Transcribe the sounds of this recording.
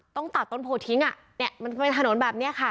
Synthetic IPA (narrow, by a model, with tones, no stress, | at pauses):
t̪ɔ˥˩ŋt̪a˨˩t̪̚ːo˥˩npʰoː˧˩t̪ʰi˨˦˥ŋa˨˩ | ni˥˩ɐma˧npe˧nt̪ʰno˨˩˦nbɛː˨˩p̚ni˦˥ɐkʰa˥˩